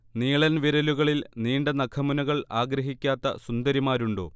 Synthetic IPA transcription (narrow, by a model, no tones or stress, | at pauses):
niːɭɐnʋiɾɐluɣɐɭilniːɳɖɐnɐkʰɐmunuɣɐɭaːɡɾɐɦikʲːaːt̪ːɐ̰sund̪ɐɾimaːɾuɳɖo̰ː